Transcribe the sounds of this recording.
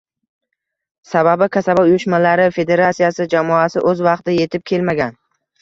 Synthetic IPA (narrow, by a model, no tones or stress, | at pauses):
sababɪkʲʰasabaʊjʊʃmalaɾɪfe̞d̪e̞ɾat̪sijasɪd͡ʒamɒasɪ̰ʔɵzvɑqt̪ɪje̞t̪ʰɪp̚kʲʰe̞lmaɡʲan